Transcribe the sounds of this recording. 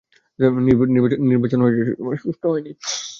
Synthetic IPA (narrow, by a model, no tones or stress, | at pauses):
d͡ʑaniɾbanibaniɾbat͡ɕonɦoeḛʃusʈoɦɔeni